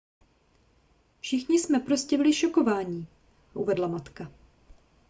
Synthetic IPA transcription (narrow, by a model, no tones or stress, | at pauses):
fʃɪxɲɪsmɛpɾoscɛvɪlɪʃoko̞vaːɲiː | ʔṵvɛdlamat̪ka